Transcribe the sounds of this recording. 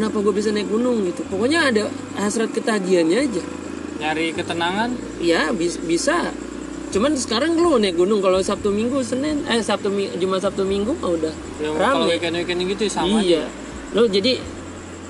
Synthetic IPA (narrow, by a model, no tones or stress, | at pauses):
kənapaɡuabis̬anajk̚ɡunʊŋɡit̪upokoɲaːda | asɾat̪̚kət̪aɡianɲaːd͡ʒa | naɾikət̪ənaŋan | jabibisa | t͡ʃumansə̥kaɾaŋəlonajk̚ɡunʊŋkalosap̚t̪umiŋɡusənɪnasap̚t̪umid͡ʒumas̬ap̚t̪umiŋɡumaudah | jaŋɾaikanwekaniɡit̪usamija | lɔd͡ʒadi